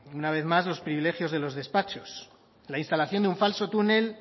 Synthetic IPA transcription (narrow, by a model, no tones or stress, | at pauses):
unaβ̞e̞θmazlo̞spɾiβile̞xjo̞zð̞e̞lo̞zð̞e̞spat͡ʃo̞s | lainst̪alaθjo̞nd̪euɱfalso̞t̪une̞l